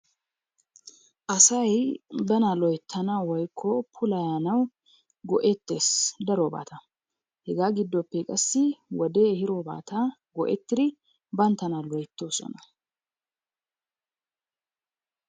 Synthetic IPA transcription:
ʔɐsɐjbɐnalɔjt̪ʰːɐnawɔjkʰːɔpʰʊlɐjaːnɐw | ɡɔʔɛt̪ːeːsd̪ɐɾoːba̰ːt̪ɐ | hɛɡaːɡɪd̪ːɔpːɛkʼɐsːɪwɔd̪eːhɪɾoba̰ːt̪ʰaːɡɔʔɛt̪ːɪd̪ɪ | bɐnt̪ɐnalɔjɛt̪ːo̞ːsɔ̰nɐ

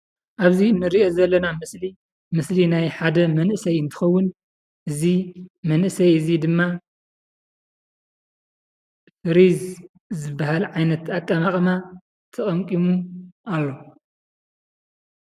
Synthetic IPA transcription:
ʔaβzinːɨɾiʔo̞zɐlːɐnamɨsli | mɨslinajħad̪ɐmɐnʔɨsɐjɨnt̪ʰɨ̥xɐwːʊn | ʔɨzimɐnʔɨsɐjɨzid̪ɨmːa | ɾiz | zɨbːahalʕajnɐt̪akʼːamaχʼɐma | t̪ʰɐχʼɐmkʼimuʔalːo̞

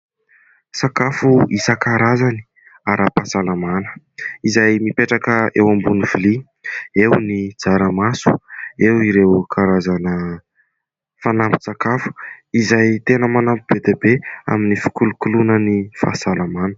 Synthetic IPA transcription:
sakafuisəkaɾazani̥ | aɾʔapasalamanə̥ | izajmipeʈ͡ʂakəewambunivili | ewnid͡zaɾəmasu̥ewiɾewkʰaɾazanə | fanampi̥sakafu̥izajt̪enəmanampib̥ed̪ebea̰minifi̥kulukulunənifa̰salamanə̥

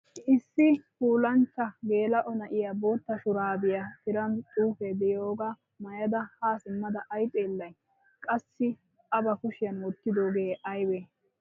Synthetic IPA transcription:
ɪsːɪkuːlɐnt͡ʃːɐɡeːlɐʔɔnɐʔɪjabo̞ːt̪ːɐʃʊɾaːbɪjɐtɪɾɐntʼuːfed̪ɛjo̞ːɡa | mɐjɐd̪ɐhaːsɪmːɐd̪ɐʔːjt̪ʼeːlːɐj | kʼɐsːɪ | ɐbɐkʊʃɪjɐnwɔt̪ːɪd̪oːɡeːʔɐjwɛ

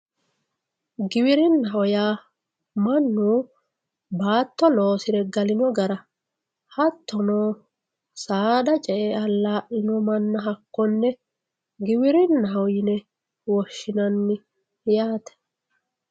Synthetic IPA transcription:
ɡɪwɪɾɪnːɐɦɔjaː | mɐnːuː | baːt̪ːɔlo̞ːsɪɾɛɡɐlɪnɔɡɐɾɐ | hɐt̪ːɔnoː | saːd̪ɐt͡ʃʼɛʔeɐlːaːʔɪnɔmɐnːɐɦɐkːɔnːɛ | ɡɪwɪɾɪnːɐɦɔjɪnɛ | wɔʃːɪnɐnːɪ | jaːt̪ɛ̥

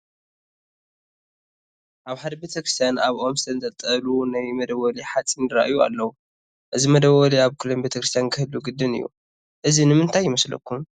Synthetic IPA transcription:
ʔaβħad̪ɐbet̪ʰɐkɾist̪ʰjanaβʔo̞msɨt̪ʰɐnt̪ʼɐt̪ʼɐlunajmɐd̪ɐβːɐliħat͡sʼinɨɾa̰ʔjua̰lːɐwu | ʔɨzimɐd̪ɐβɐliaβkʰɨlonbet̪ʰɐkɾɨst̪ʰjankʰɨhɨlːuɡɨd̪ːɨnɨ̰jːṵ | ʔɨzinɨmɨnt̪ʰajːɪmɐslɐ̰kːum

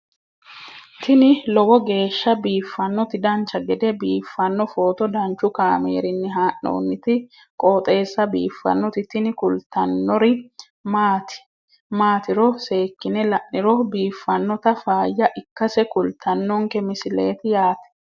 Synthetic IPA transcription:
t̪ʰɪnɪlɔwɔɡe̞ːʃːɐbiːfːɐnːɔt̪ɪd̪ɐnt͡ʃːɐɡɛd̪ɛbiːfːɐnːɔfo̞ːt̪ɔd̪ɐnt͡ʃːʊkaːmḛːɾɪnːɪɦaːʔːo̰ːnːɪt̪ɪ | kʼoːt̪ʼe̞ːsːɐbḭːfːɐ̰nːɔt̪ɪt̪ɪnɪkʊlt̪ːɐnːɔɾɪ | maːt̪ɪ̥ | maːt̪ɪɾɔse̞ːkːɪnɛlɐʔːɪɾɔbiːfːɐnːɔt̪ɐfaːjːɐʔɪkːɐsɛkʊlt̪ʰɐnːɔŋkɛmɪsɪle̞̰ːt̪ɪjaːt̪ɛ̥

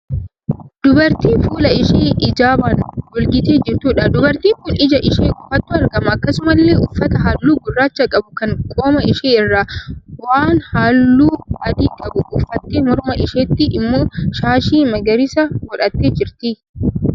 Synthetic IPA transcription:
d̪̥ʊbɐɾt̪iːfuːlɐɪʃeːʔɪd͡ʒaːbɐnɔlɡɪt̪eːd͡ʒɪɾt̪uːᶑɐd̪ʊbɐɾt̪iːŋkʊnɪd͡ʒɐʔɪʃeːkʼʊfɐt̪ːʊːɐɾɡɐmɐːkːɐsʊmɐlːe̞ːʊfːɐt̪ɐɦaːlːuːɡʊrːaːt͡ʃːɐkʼɐbʊkɐŋkʼo̞ːmɐɪʃeːɪrːaːwaːnhaːlːuːɐd̪iːkʼɐbʊʊfːɐt̪ːeːmɔɾmɐʔɪʃeːt̪ːɪʔɪmːoːʃaːʃiːmɐɡɐɾɪsɐɡɔᶑɐt̪ːeːd͡ʒɪɾt̪ɪ

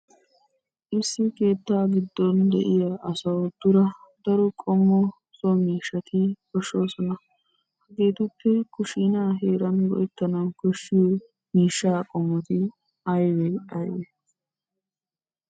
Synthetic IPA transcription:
ʔɪsːɪke̞ːt̪ːaːɡɪd̪ːɔnd̪ɛ̰ʔɪjɐʔɐsɐwd̪̥ʊɾɐd̪̥ɐɾɔkʼɔmːɔ | sɔmiːʃːɐt̪ɪkɔʃːoːsɔnɐ | hɐɡeːt̪ʊpːɛkʊʃinaːɦeːɾɐnɡɔ̰ʔɛt̪ːɐnɐkɔʃːi | miːʃːaːkʼɔmːɔt̪ɪ | ɐjwɛɐjwɛ

